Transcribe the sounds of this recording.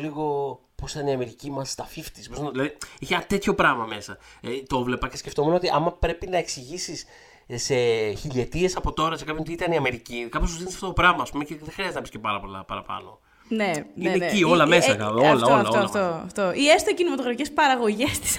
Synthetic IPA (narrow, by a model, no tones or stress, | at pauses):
liɣo̞ | posit̪ɐniɐme̞ɾicimɐst̪ɐfift̪i̥sposnðilɐðieçenɐt̪e̞t̪ço̞pɾɐɣmɐme̞sɐt̪o̞vle̞pɐce̞sce̞ft̪omeno̞t̪iʔɐmɐpɾe̞pinɐe̞ksiʝisis | se̞çilie̞t̪ie̞sɐpo̞t̪o̞ɾɐsekɐpçoot̪iit̪ɐniɐme̞ɾicikɐpost̪uzðinesɐft̪ot̪o̞pɾɐmɐːspumeceðexɾiɐzt̪nɐpisce̞pɐɾɐpo̞lɐ̰pɐ̰ɾɐpɐ̰no̞̰ | neinencio̞lɐme̞sɐkɐolɐolɐoɐoɐft̪oʔiest̪ocinimɐt̪oɣɾɐficespɐɾɐɣo̞ʝest̪i̥s